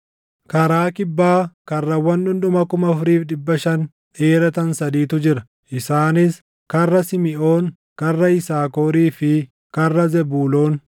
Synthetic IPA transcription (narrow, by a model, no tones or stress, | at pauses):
kɐɾaːkɪbːaːkɐrːɐwɐnɗʊnɗ̪ʊmɐkʊmɐfɾiːfᶑɪbːɐʃɐn | ᶑeːɾɐt̪ɐnsɐd̪iːt̪ʊd͡ʒɪɾɐ | ʔɪsaːnɪs | kɐrːɐsɪmɪʔoːŋ | kɐrːɐɪsaːkoːɾiːfɪ | kɐrːɐzɛbuːlo̞ːn